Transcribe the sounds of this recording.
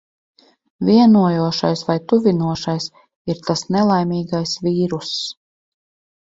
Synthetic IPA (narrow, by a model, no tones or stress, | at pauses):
vʲiɛnuɔjuɔʃa̰jsvajt̪uvʲinuɔʃajs | iɾt̪asnɛlˠajmʲiːɡajsvʲiːɾus